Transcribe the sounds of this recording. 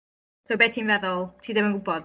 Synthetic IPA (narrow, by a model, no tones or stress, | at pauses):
sobɛːtʰinvɛðɔlˠtʰiːdəvə̃ŋɡʊbɔd̥